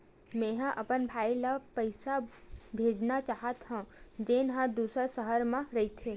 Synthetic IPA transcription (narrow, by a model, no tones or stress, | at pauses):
mẽːɦãʔɐpənbʱaːilapəɪsabʱeːd͡ʒnat͡ʃaːɦət̪ɦãd͡ʒeːnɦãd̪uːsəɾsəɦəɾmãɾɐit̪ʰeː